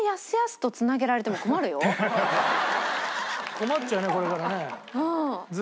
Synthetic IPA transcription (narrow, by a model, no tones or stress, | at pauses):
jasɨjasɨ̥t̪o̞t͡sɨnaɡe̞ɾaɾe̞t̪̬e̞moko̞maɾɯ̟jo̞ | ko̞mat̪ːt͡ɕaɯneko̞ɾe̞kaɾaneɯ̃ːd͡z